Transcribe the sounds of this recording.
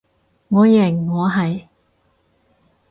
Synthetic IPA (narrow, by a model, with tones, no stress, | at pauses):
ŋɔː˨˧jɛ˨˩ŋːɔː˨˧ɦɐ˨j